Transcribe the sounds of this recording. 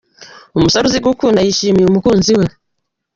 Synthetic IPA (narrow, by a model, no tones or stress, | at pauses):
umusaɾuziɡukunajiʃimiumukunziwɛ